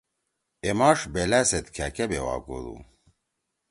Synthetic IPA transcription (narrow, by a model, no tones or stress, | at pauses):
emɑːʂbelæset̪kʰækebewa̰ːɡo̰lṵ